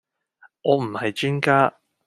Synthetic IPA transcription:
ʔɔː˨˧m̩˨˩hɐ˨jt͡ʃyː˥nkaː˥

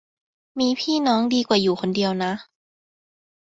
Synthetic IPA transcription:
miː˧pʰiː˥˩nɔː˦˥ŋdiː˧kwaː˨˩juː˨˩kʰo˧ndi˧əwna˦˥ʔ

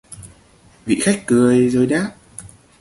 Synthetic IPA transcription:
vḭ˧˨xa˦˥jk̟̚kɨ˨˩əjzoː˧jɗaː˦˥p̚

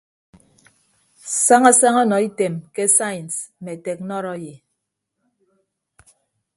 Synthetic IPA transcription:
sa˦ŋa˦sa˦ŋɔ˦nɔ˨i˦te˨mke˦sa˦˨ns̩˨me˨te˨knɔ˦ɾɔ˦je˨

